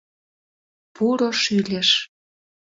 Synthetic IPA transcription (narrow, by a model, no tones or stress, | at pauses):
puɾoʃylʲeʃ